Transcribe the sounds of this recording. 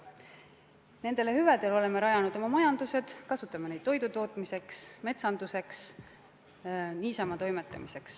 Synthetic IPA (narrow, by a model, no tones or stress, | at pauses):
ne̞nd̪̥e̞lehyvæd̪̥e̞lo̞le̞meɾɑjɑnud̪o̞mɑmɑjɑnd̪̥use̞d̪̥kɑsut̪ːˑɑmenejd̪̥t̪ːo̞jd̪ut̪o̞ːt̪ˑmise̞ksme̞t̪sɑnd̪use̞ks | niːsɑmɑt̪o̞jme̞t̪ːˑɑ̰mise̞ks